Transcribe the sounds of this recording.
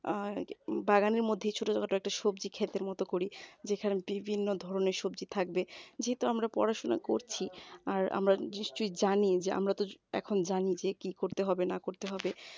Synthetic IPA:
baɡaniɾmod̪ʱːet͡ɕʰoʈod͡ʑaɡaʈoɛk̚ʈaʃobd͡ʑikʰet̪eɾmɔt̪okoɾid͡ʑekʰanebibʱinːod̪ʱɔɾoneɾʃobd͡ʑit̪ʰak̚bed͡ʑeɦet̪uamɾapɔ̰ɾaʃona̰ko̰ɾt͡ɕʰiaɾa̰mɾaniʃt͡ɕojd͡ʑanid͡ʑeʔa̰mɾat̪oɛ̰kʰond͡ʑanid͡ʑekikoɾt̪eɦɔbenakoɾt̪eɦɔbe

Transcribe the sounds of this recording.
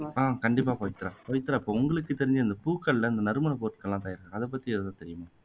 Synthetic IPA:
aːkɐɳɖɪp̬ːaːpoːjɪt̪ːɪɾãːpoːjɪt̪ːɪɾãːɪpːoːʊŋɡɐɭɯkːɯt̪ːɛɾɪɲd͡ʒɯɪnd̪ɐpuːkːɐɭlɐɪnd̪ɐnɐɾɯmɐnɐpoːʈːɯ̥kːɐlːãːt̪aːjɪɾɯkãɐðɛp̬ːɐt̪ːiɛðɛt̪ãːt̪ɛɾɪjɯmaː

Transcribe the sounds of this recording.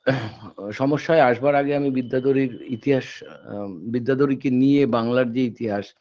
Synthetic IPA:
ʃɔmoʃːaeaʃbaɾaɡeamibid̪ːad̪oɾiɾit̪iɦaʃ | bid̪ːad̪oɾikeniebaŋlaɾd͡ʑeit̪iɦaʃ

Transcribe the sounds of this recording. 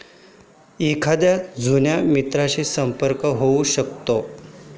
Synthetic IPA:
ikʰad̪jad͡zʱunjamit̪ɾaɕiːsəmpəɾkəɦouɕəkt̪o

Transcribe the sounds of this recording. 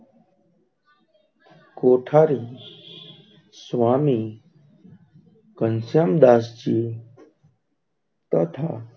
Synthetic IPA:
koːʈʰaːɾi | swaːmiː | kənsjamd̪aːst͡ɕiː | t̪ət̪ʰaː

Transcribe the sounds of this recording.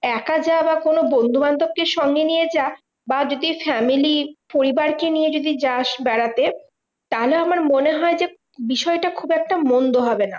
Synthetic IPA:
ɛkad͡ʑabakonobond̪ʱumand̪ʱob̚keʃɔŋɡenijed͡ʑa | bad͡ʑod̪ifɛmilipoɾibaɾkenijed͡ʑod̪id͡ʑaʃbɛɽat̪e | t̪aɦoleoamaɾmoneɦɔed͡ʑe | biʃɔeʈakʰubɛk̚ʈamond̪oɦɔbena̰

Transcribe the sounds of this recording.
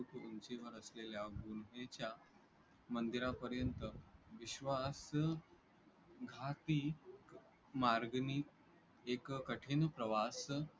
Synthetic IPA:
ukunt͡ɕeʋəɾəsleljaɡunʋet͡ɕja | mənd̪iɾapəɾjənt̪əʋiɕʋas | ɡʱat̪ik | maɾɡnik | ekkəʈʰenpɾəʋas

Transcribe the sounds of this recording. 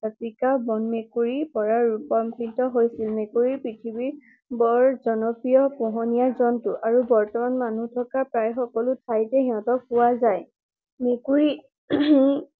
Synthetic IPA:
apikabɔnmekuɹipɔɹaɹupɔmpʰintɔɦojsilmekuɹipɹitʰibiɹ | bɔɹzɔnɔpɹijɔpɔɦɔnijazɔntʊʔaɹubɔɹtɔmanmanutʰɔkapɹajxɔkɔlʊtʰajtɛɦiɔ̃tɔpʊwazaj | mekuɹi

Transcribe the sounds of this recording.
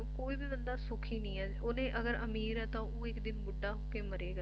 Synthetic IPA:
koːiːbiːbənd̪aːsʊkʰiːnĩːɛːd͡ʒoːnẽːʔəɡəɾəmiːɾɛːt̪ãːoːɪkd̪ɪnbʊɖːaːɦoːkeːməɾeːɡa

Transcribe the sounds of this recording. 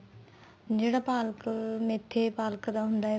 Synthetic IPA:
d͡ʒeːɽaːpaːlkmet̪ʰːepaːlkd̪aːɦʊ̃nd̪aːɦɛ

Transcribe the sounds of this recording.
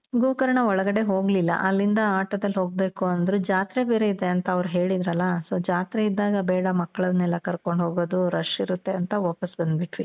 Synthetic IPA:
ɡuːkɐɾɐɳɐɔɭɐɡɐɽe̞ɦo̞ːɡlilːɐ̰ʔɐlːind̪ɐaːʈɐd̪ɐlɦo̞ːɡ̚be̞ːkuɐnd̪ɐɾud͡ʒaːt̪ɾebeːɾeid̪e̞ɐnt̪ɐːʋɐɾuɦe̞ːɭid̪ɾɐlːɐsoːd͡ʒaːt̪ɾeid̪ːaːɡɐbɛːɽɐmɐkːɐɭɐd̪nɛlːɐkɐɾko̞ɳɖɦoːɡoːd̪uɾɐʃiɾut̪ːe̞ɐnt̪ɐʋɔːpɐsbɐnd̪biʈʋi

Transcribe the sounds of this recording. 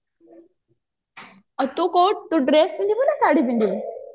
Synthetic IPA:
ət̪ukoːʈ̚t̪uɖɾespĩnd̪ibunasaːɽipĩnd̪i

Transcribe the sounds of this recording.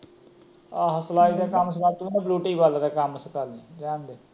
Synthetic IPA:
aːɦəslaːd̪aːkams̬əkaːlt̪uːneːbluːʈiːbaːlːd̪aːkamsəkalned͡ʒaːnd̪e

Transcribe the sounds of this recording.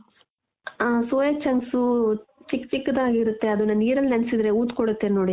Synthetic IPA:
soːjɐt͡ʃɐŋɡsut͡ʃikːt͡ʃikːd̪aːɡiɾut̪ːe̞ɐd̪unɐnniːɾɐlːnɐnsid̪ɾeuːt̪koɽut̪ːennoːɽi

